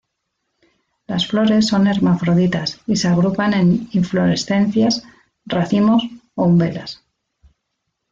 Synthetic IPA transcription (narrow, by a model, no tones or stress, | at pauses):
lasflo̞ɾe̞sːo̞ne̞ɾmafɾoðit̪asiseaɣ̞ɾupane̞niɱflo̞ɾe̞sθe̞n̟θjas | raθimo̞soumbe̞las